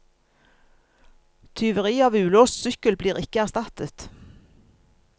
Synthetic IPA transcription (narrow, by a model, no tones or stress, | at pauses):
t̪ʰʏʋəʁiːɑːʋʉːloːssʏkəlbliːʁɪkəæʁst̪ɑt̪ət̪